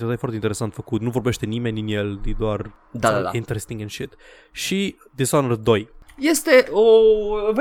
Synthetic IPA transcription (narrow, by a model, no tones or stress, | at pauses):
ot̪ajefart̪eint̪eɾesant̪fəkut̪nuvo̞rbeʃt̪e̞nimenʲd̪injeld̪id̪oar | d̪aaaint̪eɾest̪iŋɡɛnʃit̪ | ʃi | d̪izanərd̪o̞jjest̪eʔov